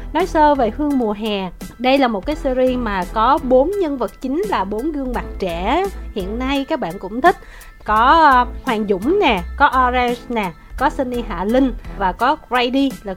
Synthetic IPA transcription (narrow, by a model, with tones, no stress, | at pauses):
nɔ˨˦jsəː˧ve˨˩hɨ˧əŋmu˨˩əɦɛ˨˩ɗə˧jlaː˨˩mo˨˩t̚kaː˨˦jsi˧ɾi˧maː˨˩kɔ˨˦ɓo˨˦nɲə˧nvə˨˩t̚t͡ɕï˨˦ŋ̟laː˨˩ɓo˨˦nɣɨ˧əŋma˨˩t̚t͡ɕɛ˧˩˨hḭ˧˨ənːa˧jkaː˦˥k̚ɓa̰ː˧˨nkʊ̰˧˥ŋ͡mt̪ʰï˦˥k̟̚ | kɔ˨˦hwaː˨˩ŋzʊ̰˧˥˨ŋ͡mnɛ˨˩kɔ˨˦ʔɔ˧za˧snɛ˨˩ | kɔ˨˦si˧ni˧ɦa̰ː˧˨lï˧ŋ̟vaː˨˩kɔ˨˦za˧jɗi˧laː˨˩